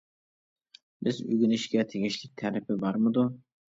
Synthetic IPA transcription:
bɪzy̰ɡʲinɪʃkʲɛt̪ʰeɡʲiʃlɪk̚ʲt̪ʰɛɾɪpʰɪbɑɾmɨd̪u

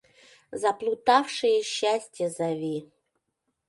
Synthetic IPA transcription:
zaplˠut̪ɑfʂɨjəɕːasʲtʲjəzavʲi

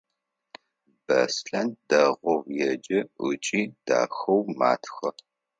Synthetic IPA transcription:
b̥ɐsɬɐnd̥ɐʁʷɔwjɛd͡ʒɪʔʷʊt͡ʃʼiːd̥a̰ːxɐwma̰ːtʰxɐ

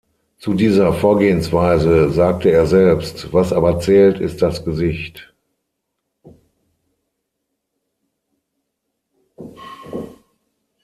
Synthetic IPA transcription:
t͡sudiːzɐfoːɐɡeːənsv̥aɪzəzaːk̚təeːɐzɛlpstv̥asʔaːbɐt͡sɛːltɪst̚d̥asɡ̥əzɪçt

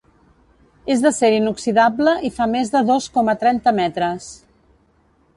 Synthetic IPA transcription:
ezðəseɾinuksiðabləʔifamezðəðoskɔmət̪ɾɛnt̪əmɛt̪ɾəs

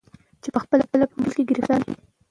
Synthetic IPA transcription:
t͡ʃepəxpəlapəlapəməlkeɡəɾixt̪ɑni

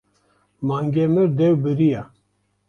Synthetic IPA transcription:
maːŋɡɛmɨɾd̪ɛwbɨɾija

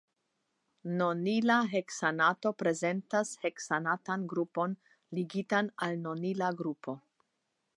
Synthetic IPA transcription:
nonilaɦe̞ksanato̞pɾe̞ze̞ntashe̞ksanatanɡɾupo̞n | liɡitanalnonilaɡɾupʰo̞

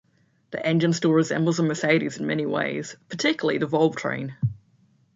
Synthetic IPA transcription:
ðḭʔɛ̃nd͡ʒə̃nstɔːɹɪzɛ̰̃mbəl̩ˠzə̃məseɪəɾḭzɪ̃nmɛñiwḛɪz̥pʰətʰɪkjl̩ˠiðəvɒlˠb̥tʰɹ̥ḛ̃ɪ̃n

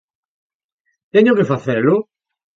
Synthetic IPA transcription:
t̪ɛɲokefaθeɾlʊ

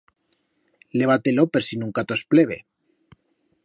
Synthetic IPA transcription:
leβ̞at̪elopeɾsinuŋkat̪ospleβe

